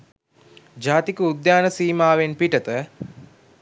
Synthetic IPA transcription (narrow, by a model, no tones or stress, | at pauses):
d͡ʒaːt̪ikəud̪jaːnəsiːmaːʋenpiʈət̪ə